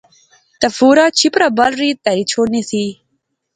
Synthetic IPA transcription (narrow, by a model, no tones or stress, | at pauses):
t̪ɐfuɾat͡ɕʰipɾabalɾit̪aɾit͡ʃʰonisi